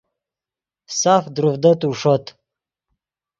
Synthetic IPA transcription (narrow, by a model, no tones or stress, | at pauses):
safd̪ɾufd̪ət̪uʂot̪